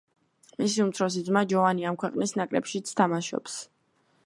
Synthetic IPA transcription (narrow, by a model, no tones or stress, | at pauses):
misiumt̪sʰɾɔs̬id̪zmad͡ʒɔvaniamkʰwɛqʼnisnakʼɾɛ̰pʃit̪sʰt̪ʰamaʃɔ̰ps